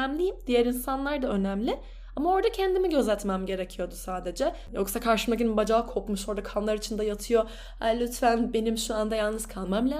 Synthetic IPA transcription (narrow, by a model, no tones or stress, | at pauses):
mlʲijimd̪̥ijæɾinsanlˠaɾd̪aø̞næmlʲɪ | amao̞ɾd̪acʰɛnd̪imiɟø̞zæt̪mɛmɟe̞ɾecʰijo̞d̪usaːd̪e̞d͡ʒɛ | jo̞ksakʰaɾʃɯmakinbad͡ʒaːkʰo̞pmuʃo̞ɾd̪akʰanlˠaɾit͡ʃʰind̪ajat̪ʰɯjo̞ | a̰lʲːyt̪fænbe̞nimʃuand̪ajalˠnɯz̥kʰalˠmamlʲa